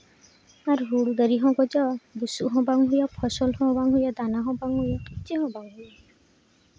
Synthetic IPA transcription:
aɾɦuɭɡ̪əɾiɦɔ̃ɡɔd͡ʒɔbusuɦɔ̃baŋɦujapʰɔsɔlɦɔ̃baŋɦujad̪anaɦɔ̃baŋɦujakit͡ʃiɦɔ̃baŋɦuja

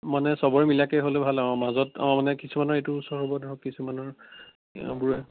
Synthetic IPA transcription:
manɛsɔbɔɹɛmilakɛɦolebʱalaɔ̃mazɔta̰manɛkisumanɔɹetuusɔɹɦɔbɔdɦɔkkisumanɔɹ̰ | buɹɛ

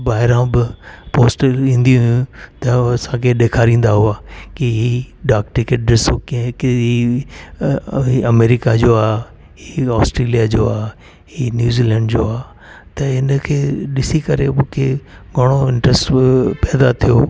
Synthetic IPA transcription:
baːɦɪɾãbɪpoːsʈĩːn̆d̪ĩɦʊjũt̪ɐsãkʰeɗeːkʰaːɾĩːn̆d̪aɦʊaːkiɦiɖaːkʈɪkeʈ̚ɗɪsokkiɦi | iɐmeːɾɪkad͡ʑoːaː | hiɔːsʈɾeːlijad͡ʑoaː | hinjuːziːlɛ̃ːɳɖd͡ʑoːaː | t̪ɐɦɪnəkʰeːɗɪsikɐɾemũkʰeɡʱɐɽ̃oɪ̃ɳʈɾɛsʈpɛːd̪at̪ʰijoː

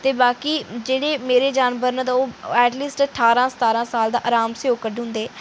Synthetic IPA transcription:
t̪eːbaːkiːd͡ʒeːɽeːmeːɾeːd͡ʒaːnbəɾnãːd̪aːoːɛːʈliːsʈəʈʰaːɾãːsə̥t̪aːɾãːsaːld̪a̰ːʔəɾaːmseoːkəɖɦʊ̃nd̪eː

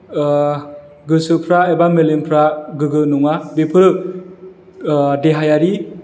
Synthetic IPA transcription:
ɡɯsɯpʰɾaebamelenpʰɾaɡɯɡɯnuŋabepʰɯɾɯ | deɦajaɾi

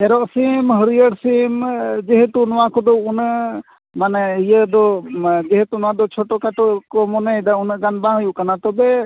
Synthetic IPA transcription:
ɛɾɔʔsimɦəɾijəɽsimd͡ʒeɦet̪unɔwakɔd̪ɔwunə | manijəd̪ɔd͡ʒeɦet̪unɔwad̪ɔt͡ʃʰɔʈɔkaʈukɔmɔnəjd̪aunəɡanbãɦəjuʔkanat̪ɔbɛ

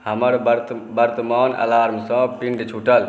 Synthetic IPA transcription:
həməɾbɾbəɾt̪əmanə̰laɾmsə̃pinɡet͡ʃʰuʈəl

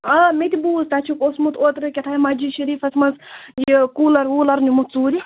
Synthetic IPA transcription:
ɐmet̪ʲibuːzt̪at͡ʃʰukosmut̪ʰoːt̪ɾɨkʲet̪ʰaːjimɐd͡ʒiʃɐɾiːfɐsmɐzjikuːlɐɾuːlɐɾnumut̪̚t͡suːɾʲi

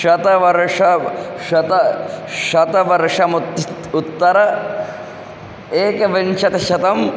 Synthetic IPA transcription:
ʃɐt̪ɐʋɐɾʂɐʃɐt̪ɐʃɐt̪ɐʋɐɾʂɐmut̪ːɐɾɐ | eːkɐʋint͡ʃɐt̪ɐʃɐt̪ɐm

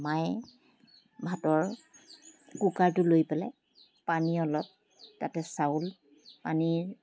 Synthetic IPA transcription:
maj | bʱatɔɹ | kukaɹtʊlojpɛlɛ | paniɔlɔt̚ | tːatɛsaul | paniɹ

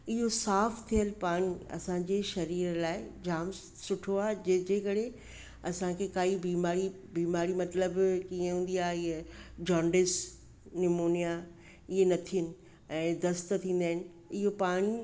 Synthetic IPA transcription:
ɪɦosaːft̪ʰijəlpaːɽ̃iɐ̰sãd͡ʑeːʃɐɾiːɾlaːɪd͡ʑaːm | sʊʈʰoaːɦd͡ʑed͡ʑeːkɐɽe | ɐsãkʰekaːibiːmaːɾi | biːmaːɾimɐt̪ləbkiẽɦũːn̆d̪iaːɦɪɦed͡ʑaːɳɖɪs | nɪmoːnija | ɪɦenɐt̪ʰiənɪ̆ | ɛ̃ːd̪ɐst̪t̪ʰĩːn̆d̪aːɦɪnɪ̆ | ɪɦopaːɽ̃i

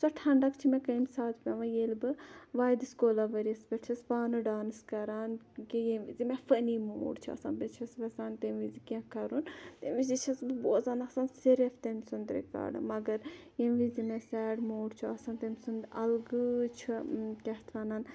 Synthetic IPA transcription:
sɔʈʰɐɳɖɐkt͡ʃʰimɛ̃kɐimsaːt̪pʲɐʋãjeːlbɨʋaːjd̪ɨskoːlaːʋɐɾiɐsbʲɐt͡ʃʰɐspaːnɨɖaːnɨskɐɾaːn | kijemʋizimɛfənimo̰ːɖt͡ʃʰuɐ̰sa̰ːnbet͡ʃʰɐsʋɐsaːnt̪emʋizikʲãkɐɾunt̪ḛmʋiszit͡ʃʰɐsbɨboːzaːnɐsaːnseɾeft̪emʲsund̪ɾḭka̰ːɖɨ̰mɐɡɐɾjemʋizimɛsɛːɖmoːɽt͡ʃʰuɐsãːnt̪emʲsund̪ɐlɡɨt͡ʃʰukʲɐht̪ʰʋɐnaːn

